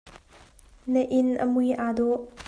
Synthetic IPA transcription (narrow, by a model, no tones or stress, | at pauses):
nəʔɪnʔə̰mujʔaːd̪ɔʔ